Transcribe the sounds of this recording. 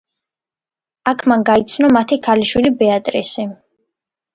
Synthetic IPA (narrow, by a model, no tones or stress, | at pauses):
akʰmanɡait̪sʰnɔmat̪ʰikʰaliʃwilibɛat̪ʼɾḭsi